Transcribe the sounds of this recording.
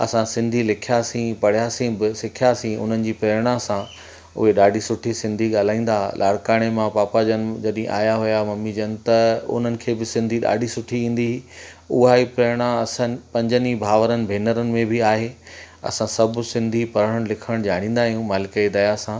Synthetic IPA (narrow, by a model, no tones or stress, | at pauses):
ɐ̰sãsɪ̃nd̪ʱilɪkʰijaːsĩpɐɽ̤ijaːsĩbɪsɪkʰjaːsĩʊ̰n̤ənɪ̆d͡ʑiːpeɽ̃asã | ʊ̰ɦeɗaːɖʱisʊʈʰisɪ̃nd̪ʱiɠaːl̤aːĩːn̆d̪alʔaːɽkaːɽ̃emãpaːpad͡ʑənɪd͡ʑɐɗɦḭ̃ʔa̰ːjaɦʊjamɐmːid͡ʑənt̪ɐʊ̰n̤ənɪ̆kʰeːbɪsɪ̃nd̪ʱiɗa̰ːɖʱisʊʈʰiĩːn̆d̪iʊ̰ɦaipeɽ̃aɐsãnpɐ̃ɲd͡ʑənibʱaːʋəɾənɪ̆bʱeːnəɾənɪ̆mẽbɪaːɦeː | ɐ̰sãsɐbʊ̆sɪ̃nd̪ʱipɐɾəɽəɽ̃lɪkʰəɽ̃d͡ʑaːɽ̃ĩːn̆d̪aːɦijũmaːlɪkəid̪ɐjasãː